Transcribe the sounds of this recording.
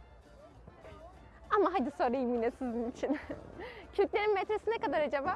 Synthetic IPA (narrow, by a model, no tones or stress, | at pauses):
amaɦad̪iso̞nɾaimiːnesizinit͡ʃʰin | cʰylʲt̪lʲe̞ɾinmet̪ɾesinekad̪aɾad͡ʒabaː